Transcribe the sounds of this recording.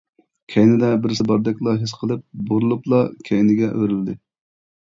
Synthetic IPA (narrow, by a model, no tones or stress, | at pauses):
kʲʰɛjnɪd̪ɛbɪɾsɨbɑɾd̪ɛkʲlˠɑɦesqʰəlˠɨp̚boɾulˠuplˠɑkʲʰɛjnɪɡʲɛʔøɾylɪd̪ɪ